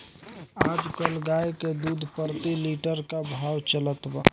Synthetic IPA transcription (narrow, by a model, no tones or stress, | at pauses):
ad͡ʒkəlɡajked̪ud̪ʱpəɾt̪iliʈəɾkabʱawt͡ʃələt̪ba̰